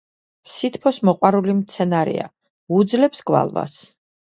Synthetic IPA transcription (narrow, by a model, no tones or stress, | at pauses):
sit̪ʰpʰɔsmɔqʼwaɾulimt̪sʰɛnaɾḭa | ud̪zlɛpsɡwa̰lˠva̰s